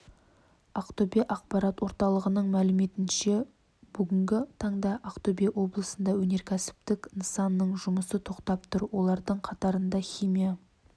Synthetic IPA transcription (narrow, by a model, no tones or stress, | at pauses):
ɑqt̪obeʔɑqpɑɾɑt̪wo̞ɾt̪ɑlˠəʁənəɴmælɪme̞t̪ɪnʃe̞ | b̥ʏɡʲɪŋɡʲɪt̪ʰɑɴd̪ɑʔaqt̪obiewo̞blˠəsənd̪ɑwɵne̞ɾkʲʰæsɪ̥p̚t̪ɪknəsɑnːəɴʒʊməsət̪ʰo̞qt̪ɑp̚t̪ʰʊɾwo̞lˠɑɾd̪əɴqʰɑt̪ɑɾənd̪ɑχʲijmija